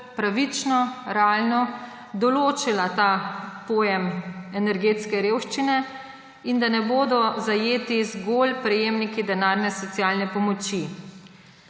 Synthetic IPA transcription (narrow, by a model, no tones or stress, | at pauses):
pɾaʋit͡ʃnɔɾɛaːlnɔ | d̪ɔloːt͡ʃilat̪aːpoːjɛmɛnɛɾɡeːt̪skɛɾeːwʃt͡ʃinɛ | ind̪anɛboːd̪ɔzajeːt̪izɡoːlpɾɛjeːmnikid̪ɛnaːɾnɛsɔt̪sjaːlnɛpɔmɔt͡ʃi